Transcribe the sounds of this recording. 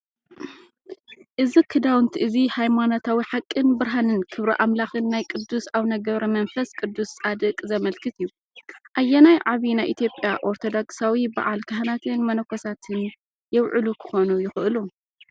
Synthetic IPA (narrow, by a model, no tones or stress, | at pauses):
ʔɨzikʰɨd̪awɨnt̪ʰiʔɨzihajmanot̪ʰawiħakʼːɨnbɨɾɦanɨnkʰɨβɾiʔamlaxɨnːajkʼɨd̪ːusaβnɐɡɐβɾɐmɐnfɐskʼɨd̪ːusːʼad̪ɨkʼzɐmɐlkʰɨt̪ʰɨjːu | ʔajːɛnajʕaβinajʔit̪ʰjo̞pʼjaʔo̞ɾt̪ʰo̞d̪okʼsawiba̰ʕalkʰɐɦnat̪ʰɨnmɐnɐkʰosat̪ʰɨn | jɛwʕɨlukʰɨ̥xo̞nujɪxʔɨlu